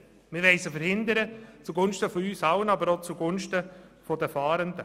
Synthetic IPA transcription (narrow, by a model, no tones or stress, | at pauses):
mɪʋɛɪsəfəɾhɪnd̪əɾət͡suɡʊnʃtəfɔyːsɑʊənɑbəɾot͡suɡʊnʃtəfɔd̥əfɑːɾəndə